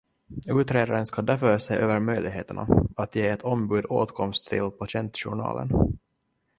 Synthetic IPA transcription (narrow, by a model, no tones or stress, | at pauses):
ʉ̟ːt̪ɾeːd̪aɾənskɑd̪æɾfœɾsɛʔøːvəɾmœjlɪɡɦeːt̪əɳa̰at̪jeːɛt̪ʰɔmbʉ̟ːd̪oːt̪kʰɔmst̪ʰːɪ̰lːpʰaɕɛnt̪ɕʊ̰ɳɑ̰ːlə̰n